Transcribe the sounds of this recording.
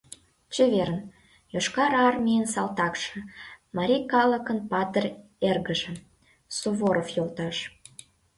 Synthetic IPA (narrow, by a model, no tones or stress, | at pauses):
t͡ɕøβeɾən | joʃkɑɾɑrmʲijənsɑlt̪ɑkʃə̆mɑɾʲikɑləkənpɑt̪ərʲ | erɣəʒə̆ | suβoɾofjolt̪ɑʃ